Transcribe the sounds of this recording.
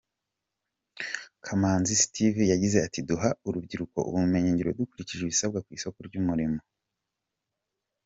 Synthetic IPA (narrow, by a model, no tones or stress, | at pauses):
kʰamaːnzisi̥tivjaɟize̞atiduɦauɾubɟiɾuko̞̰ʔṵβuume̞ɲeːɲɟeɾodukuɾiciʒeβisab̚ɡakwiːso̞koɾɟuːmuɾimo̞